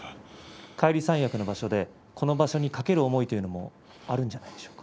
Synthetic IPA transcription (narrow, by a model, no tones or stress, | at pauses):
kʰaiɾʲisãɰ̃jakɯ̟no̞baɕo̞d̪e̞ | kʰo̞no̞baɕo̞ɲ̟ikake̞ɾɯ̟omo̞it̪o̞jɯ̟no̞mo̞̰ | aɾɯ̟̃ɲ̟d͡ʑanaid̪̥e̞ɕo̥ːkḁ